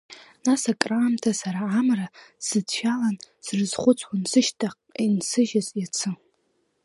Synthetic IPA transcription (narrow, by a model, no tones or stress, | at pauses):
nasakʼraːmtʰasaɾaːmrasɨdʃʷᶣalan | srɨzχʷʊt͡sʷʼʰwʷansɨʃtʼʰaq | insɨʒazʼjat͡sʰɨ